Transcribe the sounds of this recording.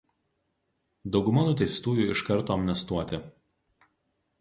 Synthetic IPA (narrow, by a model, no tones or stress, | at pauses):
d̪ɒʊɡʊmɐnʊt̪ʲɛɪst̪uːjuːˑɪʃkɐɾˑt̪oːɐmʲnʲɛst̪uɔt̪ʲɪ